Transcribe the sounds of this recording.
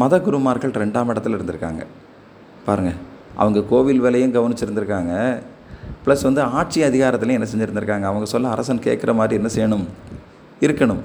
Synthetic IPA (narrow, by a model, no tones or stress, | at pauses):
mɐðɐɡʊɾɯmaːɾɣɐɭɾɛɳɖaːmɪɽɐt̪ːɪlɪɾɯnd̪ɯɾɯkːa̰ːŋɡɐ̰ | paːɾɯŋɡɐ | ʔɐ̰ʋɐŋɡɐkoːʋɪlʋeːlɐjɯ̃mɡɐʋɐnɪt͡ʃːɪɾɯnd̪ɪɾɯkːaːŋɡɐ | plɐsʋɐnd̪ɯaːʈ̚t͡ʃiɐðɪɣaːɾɐt̪ːɪlɐ̃ɛnːɐsɛɲd͡ʒɪɾɯnd̪ɯɾɯkːaːŋɡɐːʋɐŋɡɐsɔlːɐːɾɐsɐnkḛːʈkɪɾʔɐmaːd̪ɾiɛnːɐsɛjɐɳɯm | ɪɾɯkːɐɳɯm